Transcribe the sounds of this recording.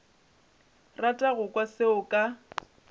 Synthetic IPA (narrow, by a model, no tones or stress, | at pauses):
ratʼaɣʊkʼwaseʊkʼa